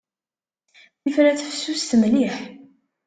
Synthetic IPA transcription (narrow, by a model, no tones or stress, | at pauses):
θifɾæt͡sːfsːust̪mliħ